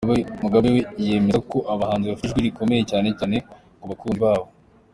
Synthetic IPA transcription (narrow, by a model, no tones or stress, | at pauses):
emuɡaβeweje̞me̞zako̞ʔaβahaːnziβafiiʒɡwiɾiko̞me̞jecaːnecaːne̞ | kuβakuːnziβaːβo̞